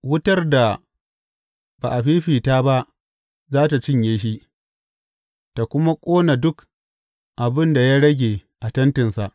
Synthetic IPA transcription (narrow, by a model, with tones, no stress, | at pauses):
wʊ˦tɐ˦rda˨ | b̥a̰˨ʔa˨ɸiː˦ɸiː˨taː˦ba˦ʔ | zaː˦ta˨t͡ʃɪ˦ɲjeː˦ʃ̬i˦ | ta˨kʷʊ˦ma˦kʷʼoː˦na˨dʊ˦k | ʔa˨bɪ˦nda˨ja˦ɽɐ˦ɡʲeː˨ʔa˨tɐ˦ntɪ˨nsa˨ʔ